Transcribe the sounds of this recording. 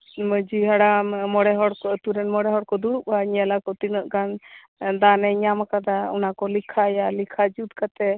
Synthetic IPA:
məd͡ʒiɦaɽammɔɽɛɦɔɽkɔt̪uɾɛnmɔɽɛɦɔɽkɔd̪uɽup̚haɲɛlakɔt̪inəʔɡan | d̪anɛɲamakad̪aṵnakɔlikʰajalikʰad͡ʒud̪̚kat̪ɛ

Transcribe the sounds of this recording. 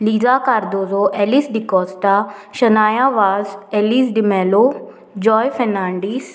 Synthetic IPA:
liːzaːkaɾd̪oːzoʔɛlisɖikɔːst̪aʃənaːjaʋaːzɛlisɖimɛːlo | d͡ʒɔːjfʰɛnaːɳɖiːs

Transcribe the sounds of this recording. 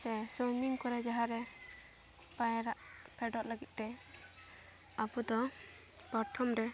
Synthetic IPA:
sɛsɔmiŋkɔɾɛd͡ʒaɦaɾɛ | pajɾaʔpʰɛɖɔʔləɡit̪̚ˀt̪ɛ | abud̪ɔ | paɾt̪ʰɔmɾɛ

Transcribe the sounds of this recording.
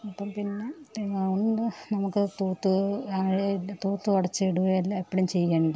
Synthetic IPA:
ɐpːɐːmpinːe̞eɐɳɖɨnɐmukːɨt̪uːt̪ːɨaːɻet̪uːt̪ːɨɐɽɐt͡ɕːɨiɽuʋɐjɐlːaipːɐɽumt͡ɕe̞jːaːɳɖɨ

